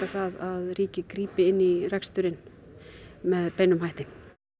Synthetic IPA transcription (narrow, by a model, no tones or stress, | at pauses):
aθaðaðriːcɪkɾiːpɪɪnːirɛkst̪ʏɾɪn | mɛðpejnʏmɦajht̪ɪ